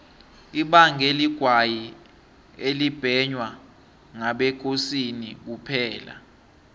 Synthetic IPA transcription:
iɓaŋeliɡ̥ʱwaji | elib̥ʱɛɲwa | ŋaɓɛkʰosinik̬upʰɛːla̰

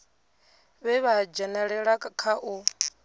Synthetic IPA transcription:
βɛβad͡ʒɛnɛɺɛɺakʼakʰaʔu

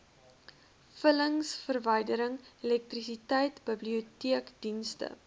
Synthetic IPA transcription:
fələŋsfərvəjdəɾəŋelɛk̚trisitɛjtbəbliutiəkd̥instə̰

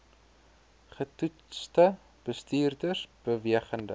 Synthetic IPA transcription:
χətu | stə | b̥əstiːrdərsb̥əviəχəndə

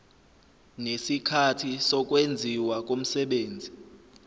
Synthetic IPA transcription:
nesikʰatʰisɔk̬ʼwend͡zʱiwak̬ʼom̩sɛɓeːnd͡zʱi

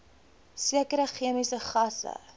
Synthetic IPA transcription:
siəkəɾəχiəmisəχɐsə̰

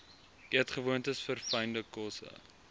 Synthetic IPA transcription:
ʔiətχəvuəntəsfərfɐjndəkɔsə̰

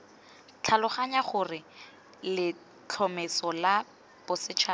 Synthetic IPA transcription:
t͡ɬʰalʊχaɲaχʊrɪ | lɪ | t͡ɬʰɔmɛsɔla | b̥ʊsɪt͡ʃʰaː

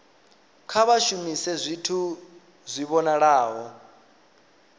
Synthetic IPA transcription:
kʰaβaʃumisɛzʷitʰu | zʷiβɔnaɺaːɦɔ

